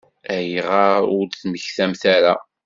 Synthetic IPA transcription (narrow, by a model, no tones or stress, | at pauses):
æjʁɑʊɾθməçθæmθæɾæ